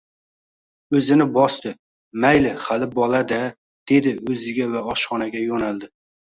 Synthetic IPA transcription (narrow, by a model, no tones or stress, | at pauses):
ɵzɪnɪbɒst̪ɪ | majlɪχalɪbɒlad̪a | d̪̥e̞d̪ɪɵzɪɡʲavaɒʃχɒnaɡʲajonalˠd̪ɪ